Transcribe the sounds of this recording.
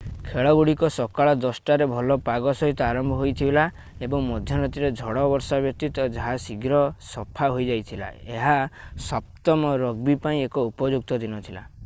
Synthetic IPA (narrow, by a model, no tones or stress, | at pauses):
kʰeɭɔɡuɽikɔsɔkaɭɔd̪ɔsʈaɾebʱɔlɔpaɡɔsɔɦit̪ɔaɾɔmbʱɔɦojt̪ʰibela | ebɔŋmɔd̪ʱjɔnɔt̪iɾɔd͡ʒʱɔɽɔbɔɾsabjɔk̚t̪it̪ɔd͡ʒaɦasiɡɾɔsɔpʰaɦojd͡ʒajt̪ʰila̰eɦasɔp̚t̪ɔmɔɾɔɡbipaĩekɔupɔd͡ʒuk̚t̪ɔd̪inɔt̪ʰila̰